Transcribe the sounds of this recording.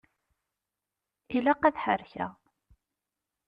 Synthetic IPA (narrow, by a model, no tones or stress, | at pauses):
ilæqæðħə̰ɾçæ̰